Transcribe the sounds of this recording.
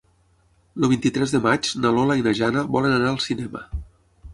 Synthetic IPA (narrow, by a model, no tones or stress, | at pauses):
ləβint̪it̪ɾɛzðəmat͡ʃnalolainaʒanəβɔlənənaəlˠsinɛmə̰